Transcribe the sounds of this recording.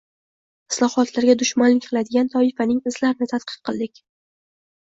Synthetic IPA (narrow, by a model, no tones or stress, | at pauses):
ɪ̥slˠɒhɒt̪laɾɡʲad̪ʊʃmanlɪkʲqʰɨlad̪ɪɡʲant̪ʰɒɪfanɪŋɪzlaɾɪnɪt̪ʰat̪̚qʰɨ̥fqʰɨlˠd̪ɪkʲ